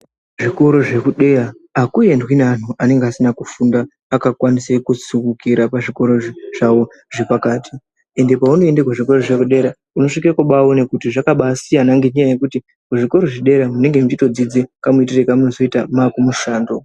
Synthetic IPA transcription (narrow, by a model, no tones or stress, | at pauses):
ʐiko̞ɾo̞ʐe̞kuɗe̞raː | kuje̞ndwinan̤uʔane̞ŋɡeasinakufundaː | kakwanisekusukukiɾapaʐiko̞ɾo̞ʐawo̞ | ʐe̞pakaːtʰi | e̞nde̞pauno̞endekwaʐiko̞ɾo̞ʐe̞kuɗe̞ɾa | uno̞ʂikiakoɓaonekutiʐakaɓasijanaŋɡeɲajaje̞kuti | kuʐiko̞ɾo̞ʐiɗe̞ɾamune̞ŋɡe̞mut͡ʃito̞d͡zid͡zekamuitirekamunozo̞itamakumuʃaːndo̞